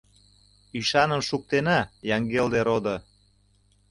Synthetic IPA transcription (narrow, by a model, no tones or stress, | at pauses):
yʃɑnə̆mʃuk̚t̪enɑjɑŋɡeld̪eɾod̪ɤ̆